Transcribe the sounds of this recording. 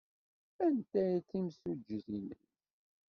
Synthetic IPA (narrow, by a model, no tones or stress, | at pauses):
ænt̪æjθimsud͡ʒːəθimə̰n